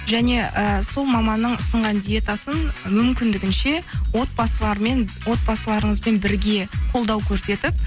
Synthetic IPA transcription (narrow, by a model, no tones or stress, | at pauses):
ʒæne̞ʔəso̞lˠmɑmɑnːəɴʊsəɴʁɑnd̪ije̞t̪asənmʏmkʲɪnd̪ɪɡʲɪnʃe̞wo̞t̪̚bɑsəlˠɑɾme̞nwo̞t̪̚bɑsəlˠɑɾəɴəzbe̞nbɪɾɡʲe̞qʰolˠd̪ɑwkʲʰɵɾse̞t̪ɪp̚